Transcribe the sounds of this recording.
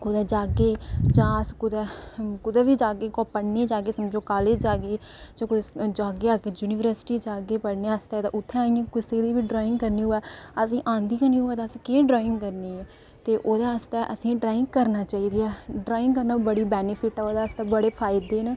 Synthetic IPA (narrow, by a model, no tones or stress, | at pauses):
kʊd̪ɛːd͡ʒaːɡeːd͡ʒãːskʊd̪ɛːkʊd̪ɛːʋiːd͡ʒaːɡeːkɔːpəɽneːd͡ʒaːɡeːsəmd͡ʒõːkaːleːd͡ʒd͡ʒaːɡeː | d͡ʒãkʊd͡ʒaːɡeːaːɡeːd͡ʒuːniːʋəɾsʈiːd͡ʒaːɡeːpəɽneːəst̪ɛːt̪ã̰ʔʊt̪ʰːẽaĩãːkʊseːd̪iːʋiːɖɾaːɪ̃ŋɡkəɾniːʊɛːəsĩːʔãːnd̪iːkəniːɦʊːɛːt̪ãːsĩːkeːɖɾaːɪ̃ŋɡkəɾniːɛː | t̪eːʔoːd̪aːəst̪ɛːʔəsĩːɖɾaːɪ̃ŋɡkəɾnaːt͡ʃaːiːd̪iːɛːɖɾaːɪ̃ŋɡkəɾnaːbəɽiːbɛːnɪpʰɪʈɛːoːd̪aːəst̪ɛːbəɽeːpʰaːɪd̪eːnaː